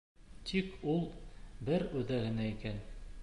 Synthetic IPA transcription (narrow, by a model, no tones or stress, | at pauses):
t̪ʰikulˠbɘɾʉðæhɘ̆næikæn